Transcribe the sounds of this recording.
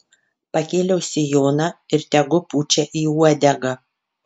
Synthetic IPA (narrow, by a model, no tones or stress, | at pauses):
pɐkʲeːlʲɛʊsʲɪjoːnɑɪɾt̪ʲɛɡʊpuːt͡ʃʲɛʔiːuɔd̪ʲɛɡɑ